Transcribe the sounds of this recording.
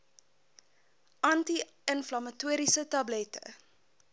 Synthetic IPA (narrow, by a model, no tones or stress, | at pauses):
ʔɐnti | ənflɐmɐtuəɾisətɐblɛtə̰